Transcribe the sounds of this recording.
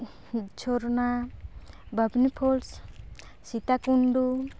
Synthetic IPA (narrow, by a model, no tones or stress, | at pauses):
t͡ʃʰoɾna | bʱəbnipʰols | sit̪akuɳɖu